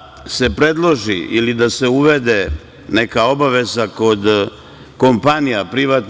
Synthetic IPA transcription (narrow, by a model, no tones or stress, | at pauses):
se̞pɾe̞d̪lˠo̞ʒiʔilid̪ase̞uʋe̞d̪e | nekao̞baʋe̞zako̞d̪ | ko̞mpanijapɾiʋaːt̪